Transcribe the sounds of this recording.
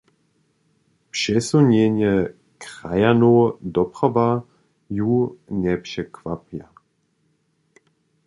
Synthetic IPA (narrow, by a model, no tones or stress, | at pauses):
pʃɛsuɲeɲjɛ | kʁajanoːd̪ɔpʁava | junɛpʃɛkvapja